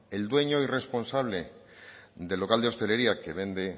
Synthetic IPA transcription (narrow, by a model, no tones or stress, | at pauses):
eld̪we̞ɲo̞ire̞spo̞nsaβ̞le̞ | d̪e̞lːo̞kald̪eo̞st̪e̞le̞ɾiake̞β̞ẽ̞nd̪e̞